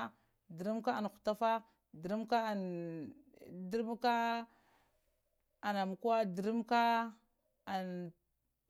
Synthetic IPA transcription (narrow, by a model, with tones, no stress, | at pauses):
di˨ɾi˦mka˦a˨n˨xu̥˨ta˦fa˦ | di˨ɾi˦mka˦˨ | di˦ɾm˦ka˦ | a˨na˨m˨ka˦di˨ɾi˦mka˦ | a˨n